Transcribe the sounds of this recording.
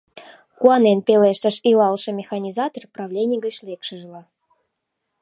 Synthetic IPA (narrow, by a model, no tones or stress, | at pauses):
kuɑnenpʲeleʃt̪ə̆ʃilɑlˠʃə̆mʲexɑnʲizɑt̪orprɑvlʲenʲijɡət͡ɕlekʃəʒlə